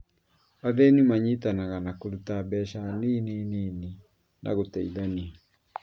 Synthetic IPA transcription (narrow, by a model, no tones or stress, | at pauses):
aðɛnimaɲitanaɣanakoɾutabɛʃaniːninini | nʔa̰ɣotɛiðania